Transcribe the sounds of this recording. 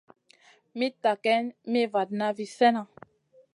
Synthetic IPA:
mi˦ta˨kɛ˦nme˦va˨dna˦vi˨sɛ˦na˨

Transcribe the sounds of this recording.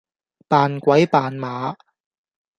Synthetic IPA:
paː˨nkʷɐ˨˥jpaː˨nmaː˨˥

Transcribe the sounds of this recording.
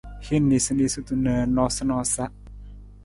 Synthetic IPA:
hi˦nːi˨sə˧ni˧˨su˦t̪u˨nə˨nɔ˧sa˦nɔ˧sa˦ʔ

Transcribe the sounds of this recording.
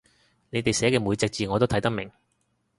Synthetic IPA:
ne˨˧jt̪e˨jsɛː˨˥kɛː˧muː˨˧jt͡sɛː˧k̚t͡siː˨ŋɔː˨˧t̪o˥wt̪ʰɐ˨˥jt̪ɐ˥k̚mɪ˨˩ŋ

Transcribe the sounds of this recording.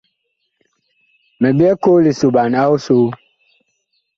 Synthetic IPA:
mɛ˨bɛ˦ko˦li˨su˨ba˨na˦u˦su˦

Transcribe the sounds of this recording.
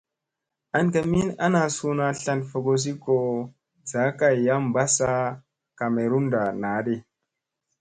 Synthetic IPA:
a˨nka˨mi˦na˦na˨su˦na˨ɬa˦nfo˨ɡo˨s̬i˦ko˨ | za˨˦ka˦˨jːa˦mba˦sa˦ | ka˨me˨ɾu˦nda˨na˨˦de˦

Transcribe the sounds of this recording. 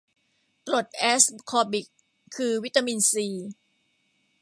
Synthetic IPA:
t̪ɾo˨˩t̪̚ʔɛː˦˥skʰɔː˧bi˨˩kʰː | ɯː˧wi˦˥t̪ːa˧mi˧nsiː˧

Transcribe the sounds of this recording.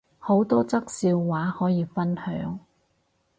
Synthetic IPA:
ho˨˥wt̪ɔː˥t͡sɐ˥k̚siː˧wːaː˨˥hɔː˨˥jiː˨˧fɐ˥nhœ̰ː˨˥ŋ

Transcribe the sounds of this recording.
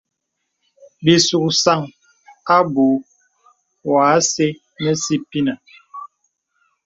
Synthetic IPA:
bi˨su˨ksa˦˨ŋ | a˦bu˨ | waː˨˦se˦ | nɛ˦si˦pi˦na˨

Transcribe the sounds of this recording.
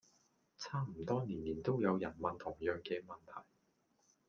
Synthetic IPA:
t͡sʰaː˥m̩˨˩t̪ɔː˥niː˨˩nliː˨˩nt̪o˥wjɐ˨˧wjɐ˨˩nmɐ˨nt̪ʰʊ˨˩ŋjœː˨˩ŋkɛː˧mɐ˨nt̪ʰɐ˨˩j

